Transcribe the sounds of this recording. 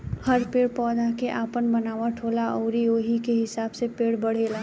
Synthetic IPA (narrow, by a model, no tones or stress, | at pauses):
hɐɾpeːɽpɔːd̪akeʔaːpənbɐnaːʋaʈʰoːlaʔɔːɾioːɦikeɦɪsaːbsepeːɽbɐɽ̤eːlaː